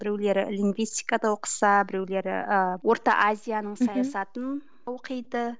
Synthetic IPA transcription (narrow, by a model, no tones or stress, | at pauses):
bɪɾe̞wle̞ɾɪ̰liŋɡvijst̪ʲijkad̪ɑwoqə̥sɑbɪɾe̞wle̞ɾɪ̰əwo̞ɾt̪ɑ̰ʔazʲijanəɴsɑjasɑt̪ən | wʊqʰəjd̪ə